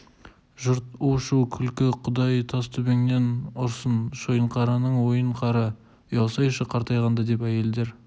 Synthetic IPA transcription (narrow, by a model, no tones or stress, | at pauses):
ʒʊɾt̪uwʃuwkʲʰʏlkʲɪqʰʊd̪ɑjt̪ʰɑst̪ʰɵbe̞ŋne̞nʊɾsənʃojəɴqʰɑɾɑnəɴwo̞jəɴqʰɑɾɑ | jɑlˠsɑjʃəqʰɑɾt̪ɑjʁɑnd̪ɑd̪e̞pæje̞ld̪eɾ